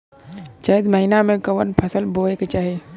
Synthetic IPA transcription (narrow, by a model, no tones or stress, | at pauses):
t͡ʃaəd̪məɦinamẽkəʋənpʰəsəlbʱoeket͡ʃaːɦe